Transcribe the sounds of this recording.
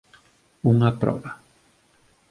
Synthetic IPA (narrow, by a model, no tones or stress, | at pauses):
uŋapɾo̰βa